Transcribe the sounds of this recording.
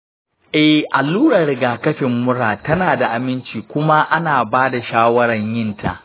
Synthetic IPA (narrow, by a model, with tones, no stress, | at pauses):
ʔɛ˨hʔa˨lːuː˦ɽɐ˨rɾɪ˨ɡaː˨kɐ˦ɸɪ˨mːʊ˦ɽaː˨tɐ˦naː˨da˨ʔa˨mɪ˦nt͡ʃiː˨kʷʊ˦ma˦ʔa˦naː˨baː˦da˨ʃaː˦wɐ˦ɾɐ˨ɲjɪ˦ntʰa̰˨ʔ